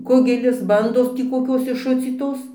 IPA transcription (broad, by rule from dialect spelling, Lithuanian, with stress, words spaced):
ˈkʊɡʲɛlʲɪs ˈbɐndoːs tʲiː koːˈkʲoːs ɪʃˈʃʊt͡sʲiːtoːs tʲiː koːˈkʲoːs ɪʃˈʃʊt͡sʲiːtoːs